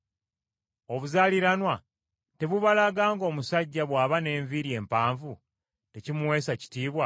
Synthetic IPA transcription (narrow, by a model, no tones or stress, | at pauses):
o̞βuzaːliɾanwa | te̞βuβalaɡaːŋɡo̞ːmusaɟːaβwaːβane̞ːɱviɾje̞ːmpaːɱvu | te̞cimuwe̞ːsaci̥tiːβwa